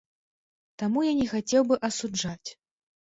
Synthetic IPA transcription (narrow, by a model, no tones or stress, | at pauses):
t̪amujanʲɛxat͡sʲɛwbɨʔɐsud͡ʐat͡sʲ